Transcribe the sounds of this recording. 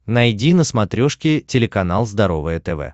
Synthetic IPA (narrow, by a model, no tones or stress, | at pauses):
nɐjdʲinəsmɐt̪ɾʲoʂkʲɪtʲɪlʲɪkɐnalˠzd̪ɐɾo̞vɨjət̪ɛvɛ̰